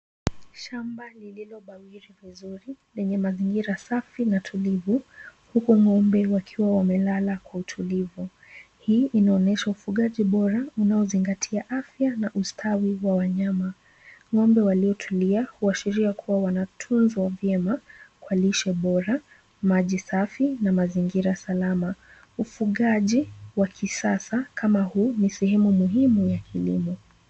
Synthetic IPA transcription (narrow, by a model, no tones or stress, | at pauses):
ʃambalililɔɓawiɾivizuɾilɛɲɛmaziŋɡiɾasafinatʰulivuhukuŋɔmbɛwakʰiwawamɛlalakwautʰulivu | hiːʔinaɔnɛʃaufuɠaʄiɓɔɾaunaɔziŋɡatʰiaʔafjanaʔustʰawiwawaɲama | ŋɔmbɛwaliɔtʰuliahuaʃiɾiakʰuwawanatʰunzwavjɛmakwaliʃɛɓɔɾa | maʄisafinamaziŋɡiɾasalama | ufuɠaʄiwakʰisasakʰamahuːnisɛhɛmumuɦimujakʰilḭmɔ